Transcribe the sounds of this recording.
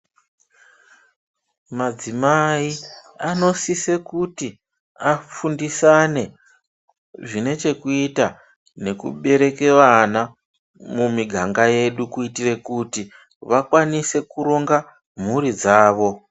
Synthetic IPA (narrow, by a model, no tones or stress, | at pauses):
mad͡zimaiano̞sise̞kuti | afundisane̞ | ʐine̞t͡ʃe̞kuita | ne̞kṵɓe̞ɾe̞ke̞wana | mumiɡʱaŋɡaje̞ɗukuitire̞kuti | ʋakwanise̞kuɾo̞ŋɡa | m̤uɾid͡zaːʋo̞